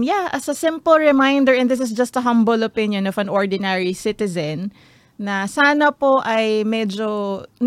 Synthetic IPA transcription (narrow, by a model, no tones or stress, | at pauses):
jaʔɐsɐsɪ̃mpəlɹɪmajnd̪əɹʔɛ̃nd̪ɪs̬ɪs̬d͡ʒɐst̪ɐɦɐ̃mbolopɪ̃njõnɔfɐ̃nʔoɹd̪ɪnɛɹisɪt̪ɪzɐ̃nː | ɐsaːnɐpoʔɐjmɛd͡ʒon